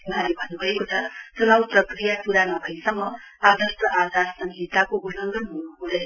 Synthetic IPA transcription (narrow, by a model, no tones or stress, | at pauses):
unaɾibʱʌnːubʱʌekot͡sʰʌt͡sunawprʌkrijapuɾanʌbʱʌjsʌmːʌ | ad̪ʌsʈ̪ʌʔad͡zaɾsʌŋɡʱit̪akoɡunʌŋɡʌnɦunuɦũd̪ʌj